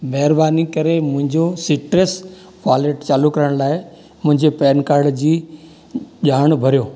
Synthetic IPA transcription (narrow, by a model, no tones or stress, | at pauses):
mɛɦɪɾbaːnikɐɾemʊ̃ɦɪ̃ɲd͡ʑosɪʈɾes | kaːleːʈt͡ɕaːlukɐɾəɽ̃laːɪ | mʊ̃ɦɪ̃ɲd͡ʑepɛːnkaːɾɖd͡ʑiː | ʄaːɽ̃bʱɐɾijoː